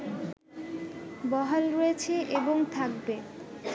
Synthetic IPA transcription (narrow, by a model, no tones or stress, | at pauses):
bɔɦalɾojet͡ɕʰeʔeboŋt̪ʰak̚be